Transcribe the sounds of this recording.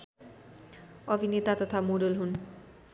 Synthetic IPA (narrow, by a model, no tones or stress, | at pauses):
ʌbʱinet̪at̪ʌt̪ʰamoɾolɦun